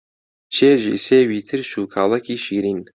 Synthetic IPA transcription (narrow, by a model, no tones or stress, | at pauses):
t͡ʃʰeːʒḭseːwiːt̪ʰɨɾʃuːkʰaːlˠɐkʰiːʃiːɾiːn